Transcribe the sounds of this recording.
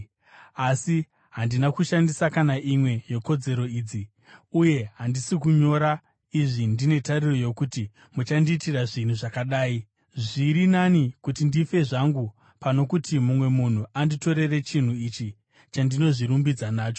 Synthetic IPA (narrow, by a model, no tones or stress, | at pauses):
asi | ɦandinakuʃandisakanaʔimwe̞je̞ko̞d͡ze̞ɾo̞iːd͡zi | uje̞ɦandisik̬uɲo̞ɾa | iʐindine̞tariro̞jo̞kuti | mut͡ʃandiːtiraʐin̤uʐakaɗaːi | ʐiɾinanikutindife̞ʐaŋɡu | pano̞kutimumwe̞mun̤uandito̞ɾe̞re̞t͡ʃin̤uit͡ʃi | t͡ʃandino̞ʐiɾumbid͡zanaːt͡ʃo̞